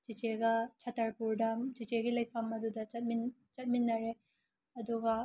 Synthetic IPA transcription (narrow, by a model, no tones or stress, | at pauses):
d͡ʒit͡ʃeɡɐt͡ʃʰɐtʰɐɾpuɾdɐmd͡ʒit͡ʃeɡilɐjpʰɐmɐdudɐt͡ʃɐt̚mint͡ʃɐt̚minːɐɾe | ɐduɡɐ